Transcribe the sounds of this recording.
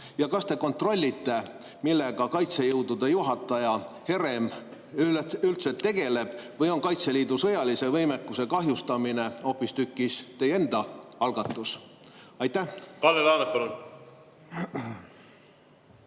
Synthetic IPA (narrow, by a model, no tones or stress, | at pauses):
jɑkɑst̪e̞ko̞nt̪ro̞lʲːit̪ːe̞ | milːe̞ɡ̥ɑkɑjt̪se̞jɤwd̪ud̪ejuɦɑt̪ːˑɑjɑhe̞ɾe̞m | yylt̪set̪ːe̞ɡ̥e̞le̞b̥vɤjo̞nkɑjt̪se̞liːd̪usɤ̞jɑlise̞vɤjmekːuse̞kɑɦjust̪ɑmineo̞pːist̪ykːˑist̪e̞je̞nd̪̥ɑɑlɡ̥ɑt̪ːˑusɑjt̪ːækɑlelɑːnepɑlun